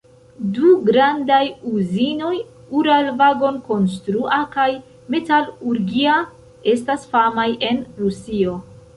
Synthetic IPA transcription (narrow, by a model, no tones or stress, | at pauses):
duɡɾandajuzino̞j | uɾalvaɡo̞nko̞ns̬tɾuʔakaj | me̞taluɾɡia | e̞stasfamajʔe̞nɾusio̞